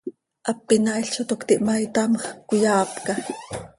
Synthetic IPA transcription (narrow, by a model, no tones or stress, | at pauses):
ʔɑpːinaʔiɬt͡ʃot̪okt̪iʔmajt̪amkujɑːpkɑ